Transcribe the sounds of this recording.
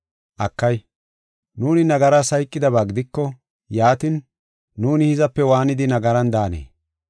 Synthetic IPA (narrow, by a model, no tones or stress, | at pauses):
ʔɐkːɐj | nuːnɪnɐɡɐɾasɐjkʼːɪd̪ɐbaːɡɪd̪ɪkːɔ | jaːt̪ɪnː | uːnɪhɪzɐpːɛwaːnɪd̪ɪnɐɡɐɾɐnd̪aːnḛː